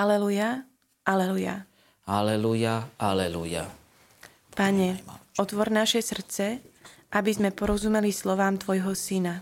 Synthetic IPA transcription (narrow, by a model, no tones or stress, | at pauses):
alɛluja | ʔalɛluja̰ | halɛlujaalɛlṵja̰ | paɲɛɔt̪ʋɔɾnaʃɛsr̩t͡sɛʔabizmɛpɔɾɔzumɛlislɔʋaːmt̪ʋɔjɦɔsina